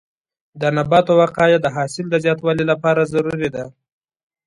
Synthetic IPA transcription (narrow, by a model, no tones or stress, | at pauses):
d̪ənabɑt̪owaqɑjad̪əɦɑsɪld̪əzjɑt̪wɑlilapɑɾazaɾuɾid̪a